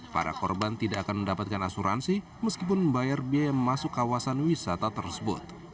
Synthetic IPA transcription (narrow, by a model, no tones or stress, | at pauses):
pa̰ɾa̰kɔ̰rbant̪idaʔːkanməndapat̪̚kanasuɾʔa̰nsi | məskip̬ʊnbajarbiajaməmasʊkːawasanwisat̪at̪ərsəbʊ̰t̪̚